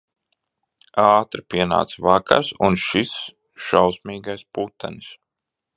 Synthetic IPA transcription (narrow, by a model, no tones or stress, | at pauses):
aːt̪ɾipiɛna̰ːt̪svaka̰ɾsunʃis | ʃawsmiːɡajsput̪ːanis